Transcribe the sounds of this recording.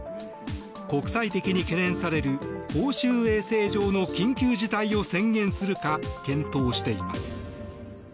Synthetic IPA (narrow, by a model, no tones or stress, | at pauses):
ko̞kɯ̟̥sait̪e̞kʲiɲ̟ike̞nẽ̞ɰ̃saɾe̞ɾɯ̟koːɕɨːe̞ːse̞ːʑo̞ːno̞kʲĩŋkʲɨːʑit̪aio̞sẽ̞ŋɡẽ̞ɰ̃sɨɾɯ̟kakẽ̞nt̪o̞ːɕi̥t̪e̞ima̰sɨ̥